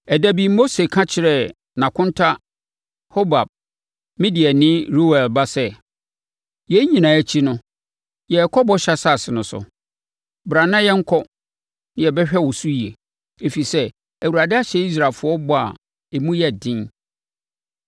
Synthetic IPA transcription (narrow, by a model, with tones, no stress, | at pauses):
ɛ˨dæ˨bi˨mo˦se˨kʰã˦t͡ɕʰɪ˨ɾɛ˨ | nã˨kʰʊ̃˦n˦tʰa˦ | ho˦ba˨b̚ | mĩ˦di˨ɛ˨nɪ̃˦ɾu˦wɛ˨lba˦sɛ˦ | jɛ˦ɲĩ˨nã˨æ˨t͡ɕʰi˦nʊ̃˦ | jɛ˨ɛ˨kʰɔ˦bɔ˦ɕa˦sa˦˨sɪ˨nʊ̃˨sʊ̰˨ | bɾã˨nã˦jɛ˦ŋ̩˦kʰɔ˦ | nɪ̃˦jɛ˨bɛ˦ɕᶣɛ˦˨wʊ˨su˦i˨e˨ | e˨fi˨sɛ˦ | æ˨wu˨ɾa˨dɪ˦a˦ɕɛ˦i˦s̬ɾa˨lfʊ˨˦ɔ˦bɔ˦a̰˨ | e˨mũ˦jɛ˦˨dɪ̃˦n